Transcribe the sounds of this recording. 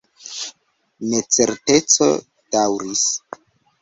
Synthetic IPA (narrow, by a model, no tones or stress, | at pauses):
ne̞t͡se̞̰ɾte̞t͡so̞̰ | d̥awɾis